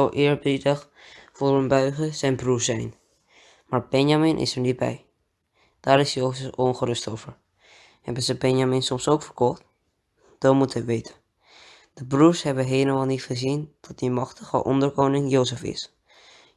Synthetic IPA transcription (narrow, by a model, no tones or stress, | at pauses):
owʔɪːəɹbidəχ | foːrənbœɥχəsɛjnbrusɛjn | maːɹb̥ɛnjamɪnʔɪ̰səɹnit̚bɛ̰j | d̥aːɾɪsjoːsəfonχərʏstowvəɹ | hɛbənzəbɛnjamɪnsɔmsowkfəɹkɔχt | d̥ɔmutəʋeːtʰə̥ | d̥əbruɹshɛbəɦeːləmalˠnitχəzind̥ɔt̚dimɑχtəɣə̰ʔɔ̰ndəɹkoːnɪŋjowsəfɪ̰s